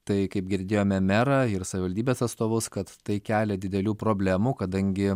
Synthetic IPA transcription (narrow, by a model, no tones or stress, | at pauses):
t̪ɐɪkɐɪp̚ɡʲɪɾʲd̪ʲeːjoːmʲɛmʲɛɾɑɪɾsɐʋʲɪʋɐlʲd̪ʲiːbʲeːsɐt̪st̪oːʋʊskɐt̪ːɐɪkʲæːlʲɛd̪ʲɪd̪ʲɛlʲuːpɾoːbʲlʲæːmʊkɐd̪ɐŋʲɡʲɪ